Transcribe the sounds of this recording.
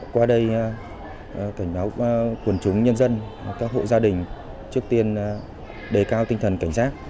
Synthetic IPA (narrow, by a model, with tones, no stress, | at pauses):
kwaː˧ɗə˧j | ka˧˩jŋ̟ɓaː˨˦wkwə˨˩nt͡ɕʊ˨˦ŋ͡mɲə˧nzə˧nkaː˦˥k̚ɦho̰˧˨zaː˧ɗï˨˩ŋ̟ | t͡ɕɨ˦˥ək̚t̪i˧ən | ɗe˨˩kaː˧wt̪ï˧ŋ̟t̪ʰə˨˩nka˧˩jŋ̟saː˦˥k̚